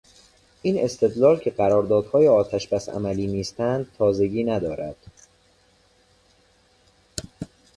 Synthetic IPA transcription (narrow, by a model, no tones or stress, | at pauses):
ʔiːne̞st̪ʰe̞d̪lɒːlcʰe̞ɢæɾɒːɾd̪ɒːd̪̥hɒːjeɒːt̪ʰæʃbæsæ̰mæliːniːst̪ænd̪̚t̪ʰɒːze̞ɟiːnæd̪ɒːɾæd̪̥